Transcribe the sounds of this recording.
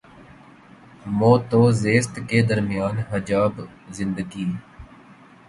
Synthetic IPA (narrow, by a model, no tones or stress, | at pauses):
moːt̪oːzeːst̪ked̪əɾmɪjaːnɦəd͡ʒaːb | zɪ̃nd̪əɡiː